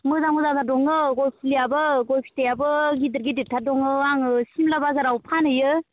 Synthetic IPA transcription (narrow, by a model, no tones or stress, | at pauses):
mɯzamɯzatʰadɔŋɯɡɔjpʰilijabɯɡɔjpʰi̥tejabɯɡidɯɾɡiditʰadɔŋɯaŋɯsimlabazaɾawpʰanɯjɯ